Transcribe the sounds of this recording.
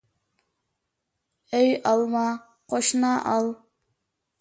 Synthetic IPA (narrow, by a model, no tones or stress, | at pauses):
ejɑlˠmɑ | qʰoʃnɑʔɑlˠ